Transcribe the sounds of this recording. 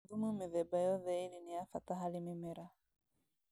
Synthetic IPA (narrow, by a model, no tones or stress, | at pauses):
ðumumɪðɛbajɔðɛiliniafataɦalimimɛɾa